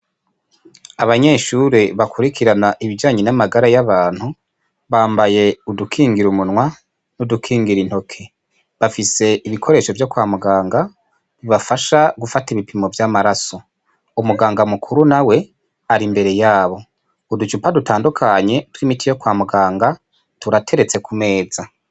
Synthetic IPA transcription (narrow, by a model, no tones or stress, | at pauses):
aβaɲe̞ːʃuɾeβakʰuɾikʰiɾanaʔiβid͡ʒaːɲenamaɡaɾajaβaːn̥hu | βaːmbaje̞udukʰiːŋɡiɾumunwa | nudukʰiːŋɡiɾin̥ho̞kʰe̞ | βafise̞ʔiβikʰo̞ɾe̞ːʃo̞vjo̞kwaːmuɡaːŋɡa | iβafaʃaɡufatiβipimovjaːmaɾaso̞ | umuɡaːŋɡamukʰuɾunawe̞ | aɾimbe̞ɾe̞jaːβo̞ | udut͡ʃupadutaːndukʰaɲe̞twimitijo̞kwaːmuɡaːŋɡa | tuɾatʰe̞ɾe̞t͡se̞kʰume̞ːza